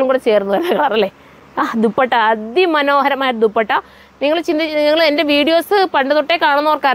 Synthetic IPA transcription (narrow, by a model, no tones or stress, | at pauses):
luŋkuːɽet͡ɕe̞ːrunːuʋɐɾnɐɣɐɭɐrɐlːeː | aːd̪upːɐʈːaɐd̪jimːɐno̞ːhɐɾɐmːaːjiʈ̬ːɨd̪upːɐʈːa | niŋːɐɭt͡ɕind̪iniŋːɐɭende̞ʋiːɽijo̞ːsɨpɐɳɖɐðuʈːekaːɳunːɐorkaːɾ